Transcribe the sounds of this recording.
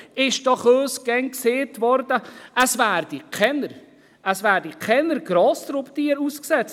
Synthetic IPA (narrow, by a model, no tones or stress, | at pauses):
ɪʃd̥ɑχøːsɡ̥ɛŋkseːtvɔɾdəʔəsvæːɾdikʰɛnəɾ | əsvæːɾdikʰɛnəɾɡɾɑːst̪ɾʊpt̪iːəɾuːsksɛt͡s